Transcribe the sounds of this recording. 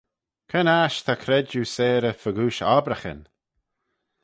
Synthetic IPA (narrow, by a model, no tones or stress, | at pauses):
kʰɛnaʃt̪ʰakʰɾɛd͡ʒuːseːɾəfəɡuːʃabɾaxə̰n